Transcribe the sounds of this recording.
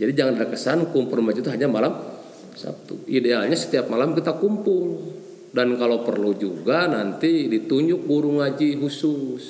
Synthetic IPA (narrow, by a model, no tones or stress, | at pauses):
d͡ʒadid͡ʒaŋandadakəsankumpurmad͡ʒit̪uɦaɲamalam | sa̰p̚t̪ṵidealɲasə̥t̪iap̚malamkit̪akumpʊl | dankalopərlud͡ʒuɡanant̪idit̪uɲd͡ʒʊk̚ɡuɾuŋad͡ʒiɦusus